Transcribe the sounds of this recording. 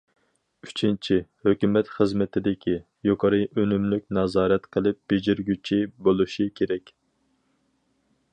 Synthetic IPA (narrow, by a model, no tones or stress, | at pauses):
y̥t͡ʃʰint͡ʃʰihøkʲymɛt̪χəzmɪt̪ʰɪd̪ɪkʲʰi | joqʰɑɾɨʔønymlyk̚ʲnɑzɑːɾɛt̪qʰəlˠɨp̚b̥ed͡ʒiɾɡʲyt͡ʃʰibolˠuʃikʲʰeɾɛkʲ